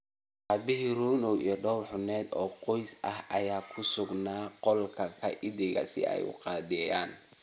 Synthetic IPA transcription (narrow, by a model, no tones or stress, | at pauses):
ʔɑːbɪɦiɾuːnɔwʔḭːɞɖɔwħʊnɛːd̪ɔːqɔjsɐhɐjaːkʰʊsʊɡnaːqɔlkʰɐkʰɐʔɪdɪɣɐ̰sɪ̰ʔɛ̰jʊ̰qɑːd̪ɛjaːn